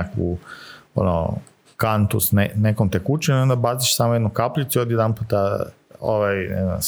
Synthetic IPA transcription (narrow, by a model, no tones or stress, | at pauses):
akṵo̰no̰ | kant̪usnenekomt̪ekut͡ʃenio̞nd̪abaziʃsamojed̪nukapʎit̪suiod̪jed̪anput̪a | o̰ʋajnɛ̰zna̰ms